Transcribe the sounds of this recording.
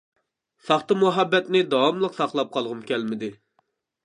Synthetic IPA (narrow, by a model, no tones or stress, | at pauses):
sɑχt̪ɑmuɦɑbːɛt̪nɪd̪ɑwɑmlˠəqsɑχlˠɑp̚qʰɑlˠʁəmkʲlmɪd̪ɪ